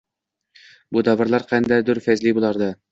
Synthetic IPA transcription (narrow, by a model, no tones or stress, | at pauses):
bud̪ɑvɑɾlˠɑɾqʰænd̪æd̪ʊɾfæzlibulˠɑɾd̪ɤ